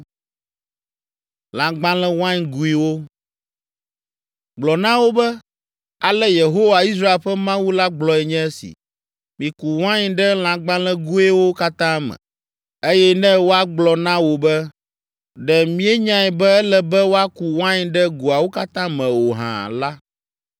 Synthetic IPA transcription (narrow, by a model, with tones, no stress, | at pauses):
lã˨ɡ͡bã˦lɛ̃˦wã˦ɲɡu˦i˦wo˦ | ɡ͡blɔ˨nã˦wo˦bɛ˦ | a˨lɛ˦je˨ɦo˦wa˨i˦s̬ɾa˦e˨lɸɛ˦mã˦wu˦la˦ɡ͡blɔ˨ɛ˨ɲɛ̃˦ɛ˦sḭ˨ | mĩ˨ku˨wã˦ɲɖɛ˦l̃ã˨ɡ͡bã˦lɛ̃˦ɡu˦ɛ˦wo˦ka˦t̪ã˦mɛ̰̃˨ | e˦jɛ˦nɛ̃˦wo˦a˦ɡ͡blɔ˨nã˦wo˨bɛ˦ | ɖɛ˨mĩ˦ɛ˦ɲã˦ɛ˨bɛ˦ɛ˦lɛ˨bɛ˦wo˦a˦ku˨wã˦ɲ˦ɖɛ˦ɡu˨a˨wo˦ka˦t̪ã˦mɛ̃˨wo˨ɦã̰˨la˦